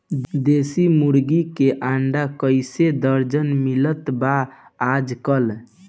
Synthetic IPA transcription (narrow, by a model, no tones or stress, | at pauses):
d̪esimuɾɡikeʔaɳɖakəɪsed̪əɾd͡ʒənmilət̪baad͡ʒkəl